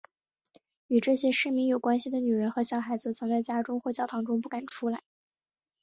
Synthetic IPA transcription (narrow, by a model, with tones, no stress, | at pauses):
y˨˩ʈ͡ʂɤ˥˩ɕjɛ˥ʂɻ̩˥˩mi˧˥ŋjo˨˩ʊkwa˥nɕi˨d̪ə˩ny˨˩ɻə˧˥nxɤ˧˥ɕjɑ˨˩ʊxa˧˥ɪd͡zɹ̩˧t͡sʰɤ˧˥ŋt͡sa˥˩ɪt͡ɕja˥ʈ͡ʂʊ˥ŋxwɔ˥˩t͡ɕjɑ˥˩ʊt̪ʰɑ˧˥ŋʈ͡ʂʊ˥ŋpu˥˩ka˨˩nʈ͡ʂʰu˥la˧˥ɪ